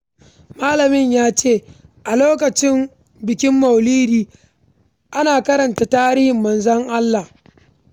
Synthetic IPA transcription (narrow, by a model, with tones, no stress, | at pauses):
maː˦lɐ˨mɪ˦ɲjaː˦t͡ʃeː˦˨ʔa˨loː˦k̬ɐ˨t͡ʃɪ˦m | bɪ˨kʲɪ˦mːɐ˨wliː˦ɾiː˦ | ʔa˦naː˨kɐ˦ɾɐ˨nta˨taː˦ɾiː˦hɪ˨mːɐ˨nzɐ˦ŋʔa˦lːa˨h